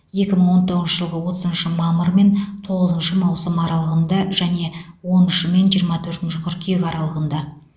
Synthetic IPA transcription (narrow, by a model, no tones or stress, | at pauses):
je̞kʲɪməɴwo̞nt̪ʰo̞ʁəzʃəʒəlˠʁəwo̞t̪ə̥zənʃəmɑməɾme̞nt̪ʰo̞ʁəzənʃəmɑwsəmɑɾɑlˠəʁənd̪ɑʒ̥æne̞wo̞nʏʃɪme̞nʒijəɾmɑt̪ʰɵɾt̪ɪnʃɪqʰʏɾkʲʰekɑɾɑlˠəʁənd̪ɑ